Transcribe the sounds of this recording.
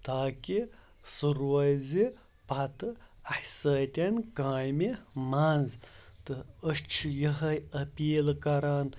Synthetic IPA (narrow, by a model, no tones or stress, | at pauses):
t̪aːkʲi | suɾʋɐjzi | pɐt̪ɨɐħsɐːt̪ʲenkãːjmimanzt̪ɨɐʂt͡ʃʰjəɦɐjɐpiːlkɐɾaːn